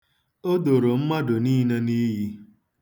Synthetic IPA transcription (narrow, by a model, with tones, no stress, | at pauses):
o˦do˨ɾo˨m̩˦ma˦do˨ni˦ne˦ni˦ɦi˦